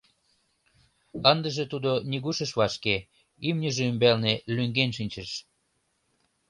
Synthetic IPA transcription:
ənd̪ə̆ʒet̪ud̪oniɣuʃə̆ʃβɑʃke | ymnʲəʒeymbelnelyŋɡenʃ̬inʲt͡ɕəʃ

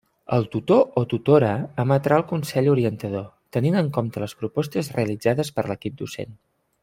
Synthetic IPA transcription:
ə̰lˠt̪ut̪oʔot̪ut̪oɾəəːmət̪ɾaəlˠkunsɛʎuɾiənt̪əð̞o | t̪əninəŋkomt̪ələspɾupɔst̪əzreəlid͡zaðəspəɾləkip̚d̪usḛn

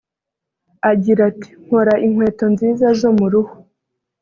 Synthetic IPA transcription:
aɟiɾati̥ŋ̥hoɾaʔiŋwe̞ːto̞nziːzaʒo̞muɾuho̥

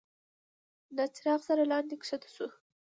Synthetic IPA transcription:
nat͡sɪɾɑqsaɾalɑnd̪ikʂat̪ḁsu

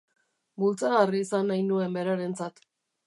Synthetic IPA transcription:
bult͡saɣariːsanːajnue̞mbe̞ɾaɾe̞nt͡sat̪

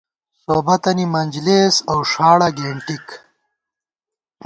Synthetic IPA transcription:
soːbɐt̪ɐnimɐnʲd͡ʒleːsɐwʂaːɽɐɡeːɳʈik

